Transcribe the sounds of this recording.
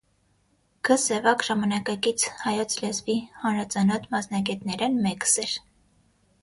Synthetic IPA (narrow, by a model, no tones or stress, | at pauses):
ɡ̥əsɛvɑkʒɑmɑnɑkɑkit͡sʰhɑjɔt͡sʰlɛzvihɑnɾɑt͡sɑnɔt̪mɑsnɑɡɛt̪nɛɾɛnmɛkə̥sɛɾ